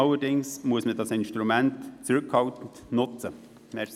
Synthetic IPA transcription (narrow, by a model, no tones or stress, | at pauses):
ɑləɾdɪŋsmuəsmədɑsɪnʃtɾumæntt͡sɾʉkhɑltən̩tnʊt͡sə | mɛs